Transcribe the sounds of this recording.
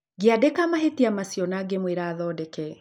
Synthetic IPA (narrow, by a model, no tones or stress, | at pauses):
ɡiadekamaɦetiamasiɔnaɡemweɾaːðɔːdɛkɛ